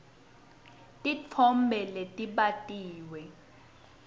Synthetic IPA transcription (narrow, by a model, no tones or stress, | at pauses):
tʼit͡fʰɔmbʱɛletʼiɓatʼiːwɛ